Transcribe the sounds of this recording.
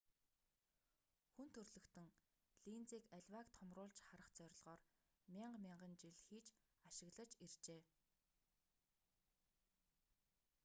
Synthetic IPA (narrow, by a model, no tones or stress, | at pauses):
xunt̪ʰɵrɮɵ̆kt̪ɵ̆ŋ | ɮint͡siːkæɮʲwakt̪ʰɔmrʊːɮt͡ɕχaɾə̆χt͡sœɾʲɪ̆ɮʁɔːr | mʲiɴɢmʲɪɴɢə̆nt͡ɕiɮxiːt͡ɕ | aʃɪ̆ɣɮə̆t͡ɕirt͡ɕeː